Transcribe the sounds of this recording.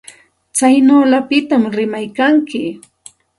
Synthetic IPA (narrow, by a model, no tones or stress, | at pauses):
t͡sajnoːlapɪt̪amɾɪmajkaŋkɪ